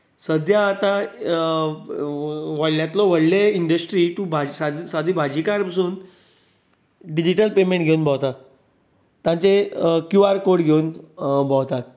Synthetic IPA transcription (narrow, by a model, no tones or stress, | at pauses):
səd̪ʱjaːt̪a | ʋəɽljãt̪lɔʋəɽleiɳɖəsʈɾiʈubʱad͡ʑsad̪sad̪ʱibʱad͡ʑikaɾpasuːn | ɖid͡ʑiʈəlpemeɳʈɡʱeunbʱawt̪at̪ | t̪ːjãnt͡sekjuaɾkoɽɡʱeunbʱɔwt̪at̪